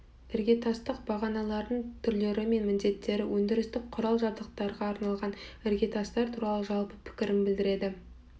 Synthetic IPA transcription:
ɪɾɡʲe̞t̪ʰɑst̪əqbɑʁɑnɑlˠɑɾd̪əɴt̪ʰʏɾle̞ɾɪme̞nmɪnd̪e̞t̪ːe̞ɾɪwɵnd̪ɪɾɪst̪ɪk̚qʰʊɾɑlˠʒɑbzəq̚t̪ɑɾʁɑːɾnɑlˠʁɑnɪɾɡʲe̞t̪ʰɑst̪ɑɾt̪ʰuɾɑlˠəʒɑlˠpəpʰɪ̥kʲɪɾɪnbɪld̪ɪɾe̞d̪ɪ

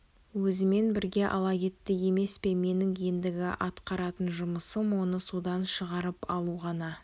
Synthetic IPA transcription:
wɵzɪme̞nbɪɾɡʲe̞ʔɑ̰lˠɑkʲe̞t̪ːɪje̞me̞spe̞me̞nɪŋend̪ɪɡʲɪʔɑt̪qɑɾɑt̪ənʒʊməsəmwo̞nəsud̪ɑnʃəʁɑɾəpɑlˠuʁɑnɑ

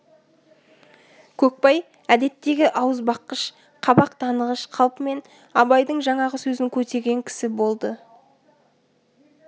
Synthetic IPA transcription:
kʲʰɵk̚pɑj | æd̪e̞t̪ːe̞ɡʲɪʔɑwəzbɑqːəʃ | qʰɑbɑq̚t̪ʰɑnəʁəʃqʰɑlˠpəme̞n | ɑbɑjd̪əɴʒɑɴɑʁəsɵzɪŋkʲʰɵt̪e̞ɾɡʲe̞ŋkʲʰɪ̥sɪbo̞lˠd̪ə

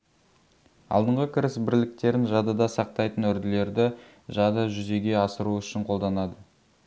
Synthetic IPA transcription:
ɑ̰lˠd̪əɴʁəkʲʰɪɾɪsbɪɾlɪk̚t̪e̞ɾɪnʒɑd̪ɑd̪ɑsɑq̚t̪ɑjt̪ənɵɾd̪ɪle̞ɾd̪ɪ | ʒɑd̪ɑʒʏze̞ɡʲe̞ɑsəɾuʏʃɪɴqʰo̞lˠd̪ɑnɑd̪ə

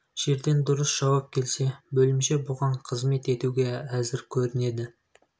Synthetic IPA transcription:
ʒ̥e̞ɾd̪e̞nd̪ʊɾəsʒ̥ɑwɑp̚kʲʰe̞lse̞bɵlɪmʃe̞bʊʁɑɴqʰəzme̞t̪e̞t̪uɡʲe̞æzɪɾkʲʰɵɾɪne̞d̪ɪ

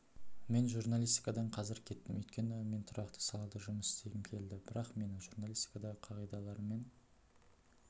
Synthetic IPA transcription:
me̞nʒuɾnalʲijst̪ʲijkad̪ɑɴqʰɑzɪɾkʲʰe̞t̪ːɪmʏjt̪kʲe̞nɪme̞nt̪ʰʊɾɑqt̪ə̥sɑlˠɑld̪əʒʊməsɪ̥st̪eɡʲɪmkʲʰe̞ld̪ɪbɪɾɑqme̞nɪʒuɾnalʲˠist̪ʲi̥kad̪ɑʁəqʰɑʁijd̪ɑlˠɑɾme̞n

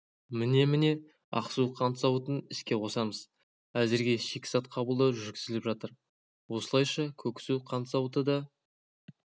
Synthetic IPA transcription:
mɪne̞mɪne̞ | ɑ̰qsuwqʰɑnt̪ə̥sɑwət̪ənɪskʲe̞qʰo̞sɑməz | æzɪɾɡʲe̞ʃe̞kʲɪsɑt̪̚qʰɑbəlˠd̪əʒʏɾɡʲɪzɪlɪpʒɑt̪əɾ | wo̞səlˠɑjʃɑkʲʰɵkʲɪ̥suqʰɑnt̪sɑwt̪əd̪ɑ

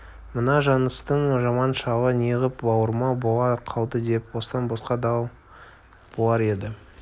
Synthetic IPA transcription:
mənɑʒɑnəst̪əɴʒɑmɑnʃɑwəneʁəpbɑwəɾmɑbolˠɑqʰɑw̪ˠd̪əd̪e̞pwo̞sə̥t̪ɑnbosqɑd̪ɑw | b̥olˠɑɾe̞d̪ɪ

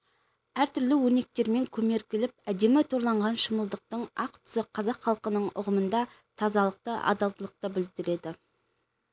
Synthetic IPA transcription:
æɾt̪ʰʏɾlɪwɵne̞k̚t̪e̞ɾme̞ŋkʲʰɵme̞ɾkʲɪlɪp̚æd̪e̞mɪt̪ʰo̞ɾlˠɑɴʁɑnʃəməlˠd̪əq̚t̪əɴɑq̚t̪ʰʏ̥sɪqʰɑzɑqχɑlˠqənəɴʊ̰ʁəmənd̪ɑ | t̪ʰɑzɑlˠəq̚t̪əʔɑ̰d̪ɑlˠt̪əlˠəq̚t̪əbɪld̪ɪɾe̞d̪ɪ

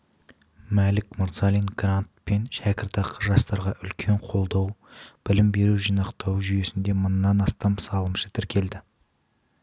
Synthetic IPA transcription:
mælɪkmʊɾt̪sɑlinɡrant̪̚pe̞nʃækʲɪɾt̪ɑqʰəʒɑst̪ɑɾʁɑʔʏlkʲʰe̞ɴqʰo̞lˠd̪ɑwb̥ɪlɪmbe̞ɾuʒijnɑqt̪ʰɑwʒyje̞sɪnd̪e̞mənːɑnɑst̪ɑmsɑlˠəmʃə̥t̪ʰɪɾkʲʰe̞ld̪ɪ

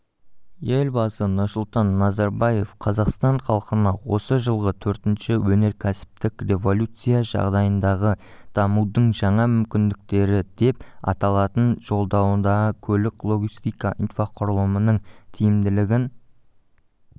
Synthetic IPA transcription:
je̞lbɑsənʊɾsʊlˠt̪ɑnːɑzɑɾbɑje̞fqʰɑzɑqst̪ɑɴχɑlˠqənɑwo̞səʒəlˠʁət̪ʰɵɾt̪ɪnʃɪwɵne̞ɾkʲʰæsɪ̥p̚t̪ɪkrʲe̞vo̞lʲut̪sɨjaʒɑ̰ʁd̪ɑjənd̪ɑʁəd̪̥ɑmud̪əɴʒɑɴɑmʏmkʲɪnd̪ɪk̚t̪e̞ɾɪd̪e̞p̚ɑ̰t̪ɑlˠɑt̪ənʒo̞lˠd̪ɑwənd̪ɑʁəkʲʰɵlɪklˠo̞ɡʲist̪ijkaʔinfaqʰʊɾəlˠəmənəɴt̪ʰijɪmd̪ɪlɪɡʲɪn

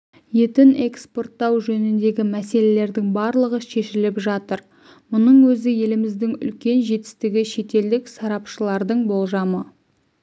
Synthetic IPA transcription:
je̞t̪ɪne̞kspo̞rt̪ːɑwʒɵnɪnd̪e̞ɡʲɪmæse̞le̞le̞ɾd̪ɪŋbɑɾlˠəʁəʃe̞ʃɪlɪpʒɑt̪əɾ | mʊnəɴwɵzɪje̞lɪmɪzd̪ɪŋʏ̰lkʲe̞nʒe̞t̪ɪ̥st̪ɪɡʲɪʃe̞t̪e̞ld̪ɪksɑɾɑpʃəlˠɑɾd̪əɴbo̞lˠʒɑmə

